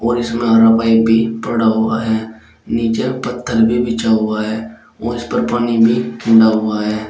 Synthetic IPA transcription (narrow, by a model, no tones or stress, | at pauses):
ɔːɾɪsmẽaɾabaːibʱipəɽaɦʊa̰ɦɛː | niːt͡ʃepət̪ʰːəlbʱibɪt͡ʃaɦʊaɦɛː | ɔːɾɪspəɾpaːnibʱikʰɪ̃ɳɖaɦʊaɦɛː